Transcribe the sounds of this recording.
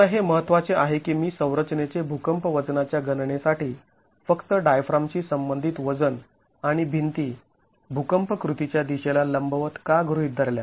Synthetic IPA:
əɦeməɦət̪ʋat͡seaɦekiːmiːsə̃w̃ɾət͡ɕnet͡sebʱukəmpəʋəd͡znat͡ɕjaɡənɳesaʈiː | fəkt̪əɖajfɾamt͡ɕiːsəmbənd̪ʱit̪ʋəd͡zən | aɽ̃ibʱint̪iː | bʱukəmpəkɾut̪it͡ɕjad̪iɕelaləmbəʋət̪kaɡʱɾuit̪̚d̪ʱəɾlja

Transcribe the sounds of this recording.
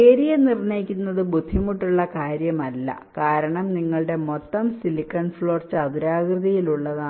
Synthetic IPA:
eːɾijɐnirnɐjikʲːunːɐðɨbud̪ʱːimuʈːuɭːɐkaːɾjɐmɐlːɐ̰kaːɾɐɳɐmniŋːɐɭɽe̞mo̞t̪ːɐmsilikːɐnfɭo̞ːrt͡ɕɨɐðuɾaːɡrɨðijiluɭːɐðaː

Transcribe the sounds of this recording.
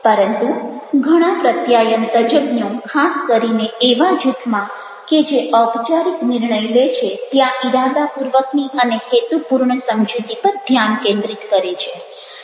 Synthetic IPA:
pəɾənt̪uɡʱəɽ̃apɾət̪jajənt̪əd͡ʒəbnjõkʰaskəɾineeʋad͡ʒut̪ʰmã | ked͡ʒeʔəwpt͡ʃaɾiknɪɾɳəjlet͡ʃʰet̪jãʔiɾad̪apuɾʋəkniʔənekʰet̪upuɾɳəsəmd͡ʒut̪ipəɾd̪ʱjankẽnd̪ɾit̪kəɾet͡ʃʰe

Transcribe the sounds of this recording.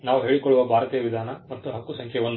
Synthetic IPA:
naːʋuɦe̞ːɭikoɭːuʋɐbʱaːɾɐt̪iːjɐʋid̪ʱaːnɐmɐt̪ːuɦɐkːusɐŋkʰjɛʋond̪

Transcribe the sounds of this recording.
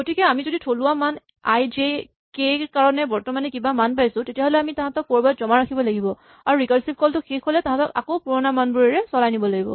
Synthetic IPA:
ɡotikɛamizoditʰolʊwaman | a̰jd͡ʒe | kekaɹɔnɛbɔɹtɔmanɛkibamanpajsʊ̃tetijaɦolɛamitaɦãtɔk̚poɹbatzɔmaɹakʰibɔlaɡibɔ | aɹuɹikaɹsip̚kɔltʊxikɦolɛtaɦãtɔka̰koʊpuɹɔnamanbuɹiɹɛsɔlajnibɔlaɡibɔ̰

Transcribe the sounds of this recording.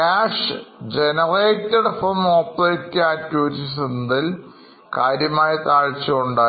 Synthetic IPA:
kaːʂd͡ʑenɐreːtːɐɽfrɐmoːpːleːtːɨaːtːjuːɾisind̪il | kaːɾjɐmaːjɐt̪aːɻt͡ɕːuuɳɖaː

